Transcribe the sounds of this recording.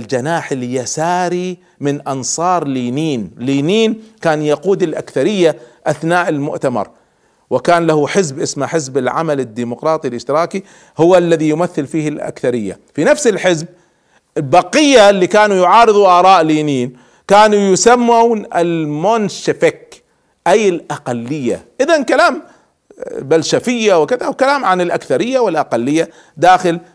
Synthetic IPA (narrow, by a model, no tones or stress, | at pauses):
ld͡ʒanaːħɪljasaːɾi | mɪnʔɑnsˤɑːɾˤliːniːnliːniːnkaːnjaquːd̪ɪlʔa̰kθaɾɪjːaʔaθnaːʔɪlmʊ̰ʔt̪amɑ̰ɾˤ | wɪkaːnlahuħɪzbʔɪsmaħɪzbɪlʕa̰malɪd̪ːiːmʊqɾˤɑːt̪ˤilʔɪʃt̪ɪɾɑːki | hʊwalːaðijʊmaθːɪlfiːhɪlʔa̰kθaɾɪjːa̰finafsɪlħɪzb̚ | ɪlbɑqɪjːalːiːkaːnujʊʕɑːɾɨðˤuʔɑːɾˤɑːʔliːniːn | kaːnujʊsamːawnɪ̰lmonʃɪfɪk | ʔajɪlʔaqalːɪjːa̰ʔɪðankalaːm | balʃafɪjːawɪkɪðawkalaːmʕanɪlʔakθaɾɪjːawɪlʔaqalːɪjːa | d̪aːxɪl